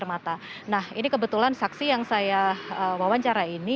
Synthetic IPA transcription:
rmat̪anahinikəbət̪ulansaksijaŋsajaəwawaɲt͡ʃaɾaini

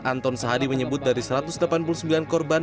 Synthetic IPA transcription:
ʔant̪ɔnsaɦadiməɲəbʊt̪̚daɾisəɾat̪ʊsdlapanp̬ulusəmbilankɔrba

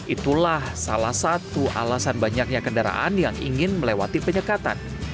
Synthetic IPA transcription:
ʔit̪ulahsalahsat̪uʔa̰lasanbaɲak̚ɲakəndaɾa̰ʔa̰njaŋḭŋɪnməlewat̪ipəɲəkat̪a̰n

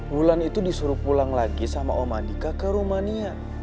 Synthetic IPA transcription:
bulanit̪udisuɾupulaŋlaɡisama̰ʔɔmandikakəɾumania

